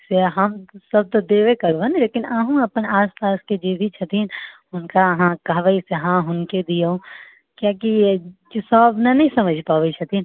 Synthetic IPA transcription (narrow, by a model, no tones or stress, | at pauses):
seɦɐmsɐb̚t̪od̪eːʋekəɾʋenleːkɪnaɦũɐpənaːspaːsked͡ʒeːbʱit͡ʃʰɐt̪ʰiːn | ʊnkaɦãkɐɦʋəiseɦãɦʊnked̪ijoõ | kjakid͡ʒsɔːbnanɐɦĩsɐməd͡ʒʱpaːʋet͡ʃʰɐt̪ʰin